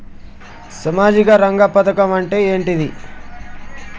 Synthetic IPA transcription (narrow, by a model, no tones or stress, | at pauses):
sɐmaːd͡ʒikɐɾɐŋɡaːpɐt̪ɐkɐmɐɳʈe̞ːeːɳʈid̪i